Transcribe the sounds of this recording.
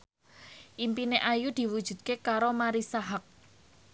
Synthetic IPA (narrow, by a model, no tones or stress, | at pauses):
ʔimpineʔajud̪̥i̤wud̥ʒ̥ṳd̪̥̚kekaɾomaɾisaɦak̚